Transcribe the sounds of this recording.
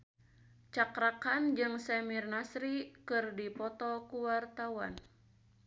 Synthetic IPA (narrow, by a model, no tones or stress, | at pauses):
t͡ʃakɾakand͡ʒɨŋsɛmirnasɾikɨrdipɔt̪ɔkuwart̪awa̰n